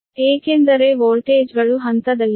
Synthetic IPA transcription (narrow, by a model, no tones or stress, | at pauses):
eːkend̪ɐɾeʋoːlʈeːd͡ʒɡɐɭuɦɐnt̪ɐd̪ɐlːi